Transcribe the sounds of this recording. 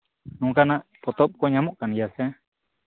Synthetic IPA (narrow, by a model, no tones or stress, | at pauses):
nũŋkanaʔpɔt̪ɔp̚kɔɲamɔʔkanijasɛ